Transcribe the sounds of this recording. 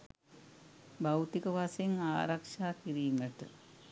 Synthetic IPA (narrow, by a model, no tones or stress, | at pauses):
bawt̪ikəʋaseŋaːɾɐkʂaːkiɾiːməʈə̰